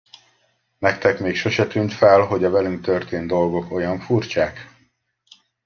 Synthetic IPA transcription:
nɛkt̪ɛkmeːkʃo̞ʃɛt̪ynt̪fɛlɦo̞ɟɒvɛlyŋk̚t̪ørt̪eːnd̪o̞lɡo̞ko̞jɒɱfurt͡ʃaːk

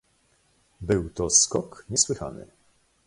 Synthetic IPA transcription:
bɘwt̪ɔskɔkɲɛswɘxa̰nɘ̰

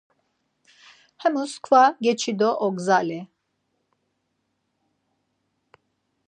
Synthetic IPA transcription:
hɛmuskvaɡet͡ʃʰid̪oʔɔɡzalɛ

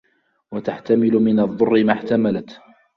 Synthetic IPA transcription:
wat̪aħt̪amɪlʊmɪnɑðˤːʊrːɪmaħt̪amalat̪

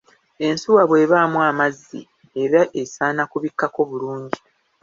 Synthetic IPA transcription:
e̞nsuwaβwe̞ːβaːmuamazːḭ | eɾaʔe̞saːnakuβikːako̞ːβuluːɲɟi

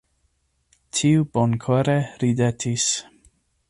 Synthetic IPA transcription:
tʰiubonkʰoɾeɾidetʰis

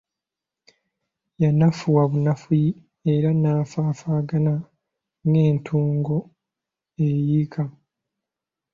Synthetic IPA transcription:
janafuwaβunafuji | eɾanaːfaːfaːɡana | ŋɡe̞ːntʰuːŋɡo | ejikʰa

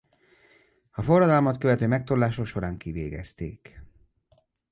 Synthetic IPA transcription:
ɒfo̞rːɒd̪ɒlmɒt̪køvɛt̪øːmɛk̚t̪olːaːʃoʃo̞ɾaːŋkiveːɡɛ̰st̪ḛːk

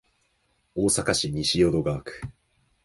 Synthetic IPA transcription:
o̞ːsakaɕiɲ̟iɕijo̞d̪o̞ɡaːkɯ̟̥

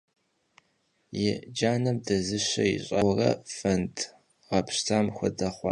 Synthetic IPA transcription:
jɛd͡ʒaːnɐmdɐzɨɕɐjḭɕʼɐwrɐ̰fɐntʰʼ | ʁɐpʰɕtʰaːmxʷɔdɐχʷɑ̰

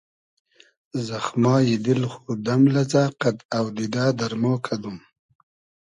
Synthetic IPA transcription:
zaxmɑːjid̪ɪlxud̪amlazaːqad̪awd̪id̪aːd̪aɾmoːkʰad̪um

